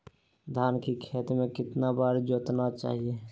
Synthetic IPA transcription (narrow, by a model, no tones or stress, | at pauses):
d̪ʱaːnkikʰeːt̪mẽkɪt̪nabaːɾd͡ʒoːt̪nat͡ʃa̰ːɦie